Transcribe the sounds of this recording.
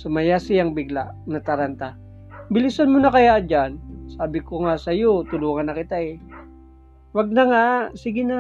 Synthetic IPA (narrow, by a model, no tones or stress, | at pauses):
sʊmajasɪjaŋbɪɡla̰nɐt̪aɾant̪a | bɪlɪsanmʊnakɐjad͡ʒansaːbɪkoŋasɐjot̪ʊluːŋanːɐkɪt̪aɛ | waɡ̚naŋaʔsiɡɪna